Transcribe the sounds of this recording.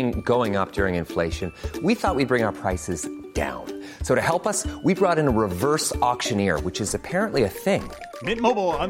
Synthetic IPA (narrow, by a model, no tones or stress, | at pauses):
ŋɡoʊɪ̃ŋʌp̚d̥ʊɹɪ̃ŋɨ̃nfleɪʃɨ̃nwiθɔʔ̚wid̚bɹɪ̃ŋaʊə˞pʰɹ̥aɪsɨzd̥ã̰ʊ̃n | soʊɾɨhɛlˠpʌswibɹɔɾɨ̃nəɹɨvɜ˞sɔkʃɨ̃nɪɹwɨt͡ʃɨzɨpʰɛɹɨ̃nʔliɨθɪ̃ŋ | mɪt̚moʊbl̩ˠãɪ̃